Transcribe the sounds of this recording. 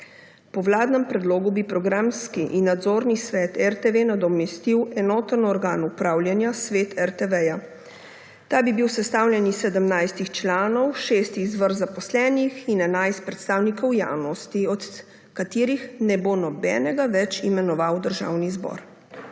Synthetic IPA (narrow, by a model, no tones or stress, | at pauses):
pɔwlaːd̪nɛmpɾɛd̪loːɡubipɾɔɡɾamskiʔinːad̪zoːɾnisʋɛːt̪ɛɾt̪eʋenad̪ɔmɛst̪iwɛnɔːt̪ənɔɾɡaːnupɾaːwljanjasʋeːt̪ʰɛɾt̪eʋɛja | t̪aːbibiwsɛst̪aːwljɛnisɛd̪əmnajst̪ixt͡ʃlaːnɔwʃeːst̪iːzʋəɾzapɔslɛːnixinɛnajst̪̚pɾɛt̪st̪aːwnikʰɔwja̰wnɔst̪iɔt̪ | kat̪iːɾixnɛbonɔbɛ̰ːnɛɡaʋɛt͡ʃimɛnɔʋawd̪əɾʒa̰ːwnizbɔ̰ɾ